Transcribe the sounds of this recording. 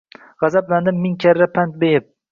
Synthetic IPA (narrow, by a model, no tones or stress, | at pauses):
ʁɑzabland̪ɪmːɪŋkʲʰaɾːapʰant̪̚bejɪp̚